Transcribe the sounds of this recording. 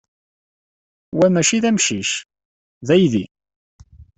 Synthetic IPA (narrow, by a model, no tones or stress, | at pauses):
wæmæʃiðæmʃiʃ | ðæjði